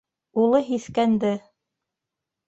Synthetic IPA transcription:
ulˠɤɦiθkænd̪ɘ

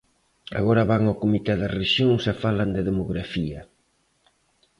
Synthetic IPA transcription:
a̰ɣɔɾɐβaŋawkomit̪ɛðɐreʃjoŋsafalɐnd̪ɪðemoɣɾafiɐ

